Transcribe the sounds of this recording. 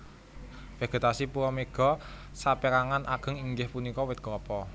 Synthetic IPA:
feɡ̥e̤t̪asipuɾɔmeɡ̥ɔ̤ | sapɛɾaŋanʔaɡ̥ə̤ŋiŋɡɪhpunikɔwɪt̪̚ɡ̥ɔpɔ

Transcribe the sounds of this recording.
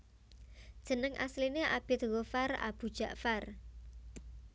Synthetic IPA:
d̥ʒ̥ə̤nəŋʔa̰slineʔab̥ɪt̪̚ɣofara̰b̥ṳ̥ʒ̥a̤ʔfar

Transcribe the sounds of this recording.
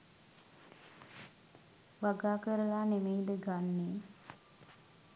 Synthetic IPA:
ʋaɡaːkəɾəlaːnemejd̪əɡanːeː

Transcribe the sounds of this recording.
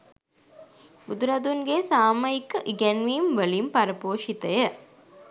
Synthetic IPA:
bud̪uɾɐd̪uŋɡesaːmɐikːəʔiɡɛnʋiːmʋəlimpɐɾəpoːʃit̪əjə

